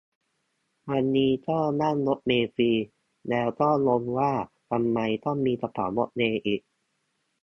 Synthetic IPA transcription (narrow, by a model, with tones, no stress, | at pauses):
wa˧nːiː˦˥t̪ɔː˥˩ŋna˥˩ŋlo˦˥t̪̚meː˧fiː˧ | lɛː˦˥wt̪ɔː˥˩ŋlo˧mwaː˥˩t̪ʰa˧mːa˧jt̪ɔ˥˩ŋmiː˧sa˧pʰa̰ː˩˦wlo˦˥t̪̚neː˧ʔiː˨˩k̚